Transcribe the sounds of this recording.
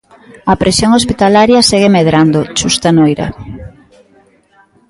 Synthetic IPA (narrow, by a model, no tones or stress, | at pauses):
ɐpɾesjoŋospit̪alaɾjɐseɣemeðɾand̪ot͡ʃust̪anojɾa̰